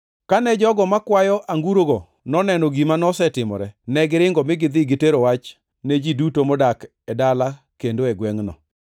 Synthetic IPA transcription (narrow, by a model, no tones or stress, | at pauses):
kanɛd͡ʒɔɡɔmakwajɔʔaŋɡuɾoɡo | nɔnɛnɔɡimanɔsɛtɪmɔ̰ɾɛnɛɡɪɾɪŋɡɔmɪɡɪd̪ɪɡɪteɾowat͡ʃ | ned͡ʒidutomɔdak | ɛdala | kendoɛɡwɛŋnɔ̰